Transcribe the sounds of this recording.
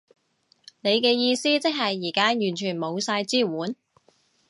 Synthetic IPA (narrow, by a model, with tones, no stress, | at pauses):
ne˨˧jkɛː˧jiː˧siː˥t͡sɪ˥k̚hɐ˨jːiː˨˩kaː˥jyː˨˩nt͡ʃʰyː˨˩nmo˨˧wsaː˧jt͡siː˥wuː˨˥n